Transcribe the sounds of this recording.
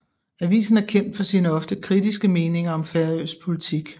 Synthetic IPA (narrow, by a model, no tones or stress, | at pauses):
æʋḭːsn̩æɐkʰem̰d̥fɒ̽siːnəɒ̽fd̥əkʰʁid̥isɡ̥əme̝ːne̝ŋɐɒ̽mfæɐø̰ːspʰo̝lit͡sʰiɡ̥